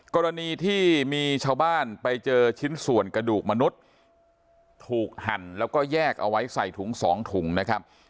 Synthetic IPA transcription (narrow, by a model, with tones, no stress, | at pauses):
kɔː˧ɾa˧niː˧t̪ʰiː˥˩miː˧t͡ɕʰaː˧wbaː˥˩npa˧jt͡ɕɤː˧t͡ɕʰi˦˥nsu˨˩ənkɾa˧duː˨˩k̚ma˧nu˦˥t̪̚ | uː˨˩k̚ha˨˩˦nlɛː˦˥wkɔː˥˩jɛː˥˩k̚ʔa̰˧wa˦˥jsa˨˩jt̪ʰu˩˦ŋsɔː˩˦ŋt̪ʰu˩˦ŋna˦˥kʰa˦˥p̚